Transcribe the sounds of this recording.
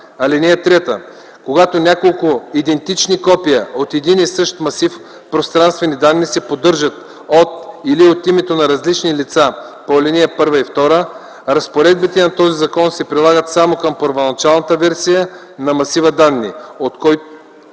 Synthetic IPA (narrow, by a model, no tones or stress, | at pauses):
ɐlɛniɛt̪ɾɛt̪ə̰ | koɡat̪onʲakolˠkʊid̪ɛnt̪it͡ʃnikɔpijəot̪ɛd̪inisɤʃt̪mɐsif | pɾost̪ɾanst̪vɛnid̪anːisɛpod̪ɤɾʒət̪ | ot̪iliot̪imɛt̪onɐɾɐzlit͡ʃnilit̪sapolɛniɛpɤɾvəift̪ɔɾə | ɾɐspoɾɛd̪bit̪ɛnɐt̪ɔzizɐkɔnsɛpɾilˠaɡət̪samokɐmpəɾvonɐt͡ʃalˠnət̪əvɛɾsijə | nɐmɐsivəd̪anːḭot̪kɔj